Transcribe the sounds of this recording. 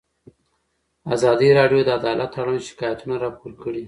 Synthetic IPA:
azɑd̪iɾɑɖjod̪əad̪ɑlat̪ːaɽanʃɪ̥kɑjat̪unaɾɑpoɾkəɽi

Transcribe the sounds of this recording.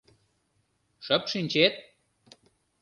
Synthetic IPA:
ʃəpʃinʲt͡ɕet̪̚

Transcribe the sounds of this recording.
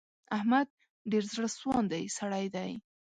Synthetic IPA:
ahmad̪̚ | ɖeɾzɽəswɑnd̪ajsaɽajd̪aj

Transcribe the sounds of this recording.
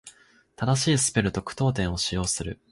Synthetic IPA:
t̪ad̪aɕiːsɨ̥pe̞ɾɯ̟t̪o̞kɯ̟̥t̪o̞ːt̪̬ẽ̞ɰ̃o̞ɕijo̞ːsɨɾɯ̟

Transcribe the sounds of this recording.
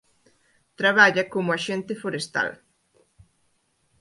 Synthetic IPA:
t̪ɾaβaʎɐkomʊaʃent̪ɪfoɾest̪a̰l

